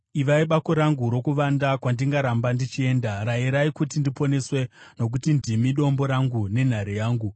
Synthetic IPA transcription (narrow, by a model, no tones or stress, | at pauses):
iʋaiɓako̞ɾaŋɡuɾo̞kuʋandakwandiŋɡaɾambandit͡ʃie̞ːndaraiɾaikutindipo̞ne̞swe̞no̞k̬utindimiɗo̞mbo̞ɾaŋɡune̞n̤aɾijaːŋɡu